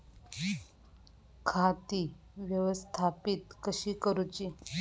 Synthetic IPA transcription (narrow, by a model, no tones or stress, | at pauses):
kʰat̪i | ʋjəʋəst̪ʰapit̪kəɕiːkəɾut͡ɕi